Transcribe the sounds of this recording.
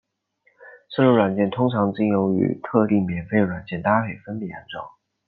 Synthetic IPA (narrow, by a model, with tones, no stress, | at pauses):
ʂə˥˧lu˥˩wa˨˩nt͡ɕjɛ˥˩nt̪ʰʊ˥ŋʈ͡ʂʰɑ˧˥ŋt͡ɕi˥njo˧˥ʊy̰˨˩t̪ʰɤ˥˧li˥˩mjɛ˨˩nfe˥ɪəɻwa˨˩nt͡ɕjɛ˥˩nt̪a˥pʰe˥˨˩ɪfə˥np̪i˥˩ja̰˧˥nʈ͡ʂo˨˩˦